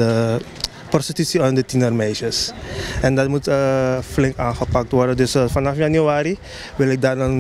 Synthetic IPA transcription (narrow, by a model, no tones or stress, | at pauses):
ə | pɔrstitysiandətinərmɛjʃəsɛndɑtmutəflɪŋkaːnχəpak̚tʋɔrdədøsfanɑfjanyaːɾi | ʋɪlɪk̚darən